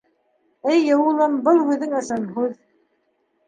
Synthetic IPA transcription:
ɘjːɤ̆wulˠɤmbɤlˠhʉðːɘŋɤ̆ʃɤnɦʉð

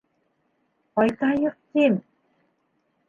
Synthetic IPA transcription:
pɑjt̪ɑjɤ̆q̚t̪em

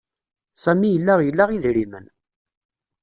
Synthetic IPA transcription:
sæmijəlːæʁjəlːaʁiðɾimə̰n

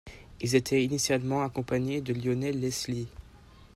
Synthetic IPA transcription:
ilzet̪ʰɛinisjalmɑ̃akɔ̃paɲed̪əljonɛlːɛsli

